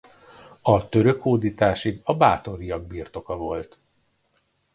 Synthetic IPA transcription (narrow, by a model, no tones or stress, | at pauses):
ɒt̪ø̞ɾøkoːd̪iːt̪aːʃiɡɒbaːt̪o̞ɾijɒɡ̚biːrt̪o̞kɒvo̞lt̪